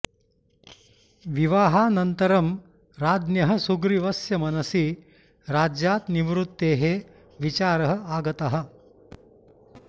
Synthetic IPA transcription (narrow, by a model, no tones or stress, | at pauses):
ʋiʋaːɦaːnɐnt̪ɐɾɐm | ɾaːd̪njɐɦɐ̆suɡɾiʋɐsjɐmɐnɐsi | ɾaːd͡ʒjaːt̪niʋɾut̪ːeːɦe | ʋit͡ʃaːɾɐɦɐ̆aːɡɐt̪ɐɦɐ̆